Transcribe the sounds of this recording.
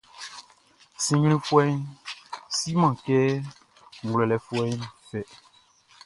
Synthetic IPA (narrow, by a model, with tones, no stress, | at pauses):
sĩ˨ɲ˦l̃ĩ˦fu˦ɛ˦ɲ | si˦mã˨kɛ˦ | ŋ̩˨ɡlɛ˨lɛ˨fu˦ɛ˦ɲ˦fɛ˨